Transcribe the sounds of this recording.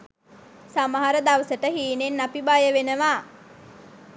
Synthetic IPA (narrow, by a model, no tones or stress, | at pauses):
saməɦaɾəd̪aʋəsəʈəɦiːnenːapibajəʋenəʋaː